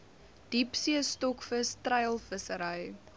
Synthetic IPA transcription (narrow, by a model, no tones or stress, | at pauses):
d̥ipsiəstɔkfəstrɐjlˠfəsəɾəj